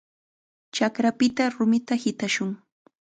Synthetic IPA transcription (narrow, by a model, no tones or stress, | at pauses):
t͡ʃakɾapɪt̪aɾʊmɪt̪ahɪt̪aʃʊŋ